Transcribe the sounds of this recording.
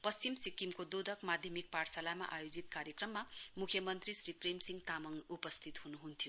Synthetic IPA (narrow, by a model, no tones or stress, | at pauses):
pʌst͡ɕimsikimkod̪od̪ʱʌkmad̪ʱjʌmik̚parsalama̰ʔajod͡zit̪kaɾjʌkrʌmːamukʰjʌmʌnt̪risripremsiŋt̪amʌŋupʌst̪ʰit̪ɦunuɦunt̪ʰijo